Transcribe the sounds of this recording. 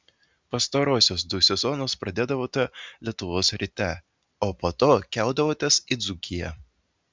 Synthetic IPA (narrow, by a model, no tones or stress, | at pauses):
pɐst̪ɐɾoːsʲoːsd̪ʊsʲɛzɔːnoːspɾɐd̪ʲeːd̪ɐʋoːt̪ʲɛlʲiɛt̪ʊʋoːsɾʲiːt̪ʲɛ | oːpoːt̪oːkʲæˑʊd̪ɐʋoːt̪ʲɛsid̪zʊkʲɪjɛ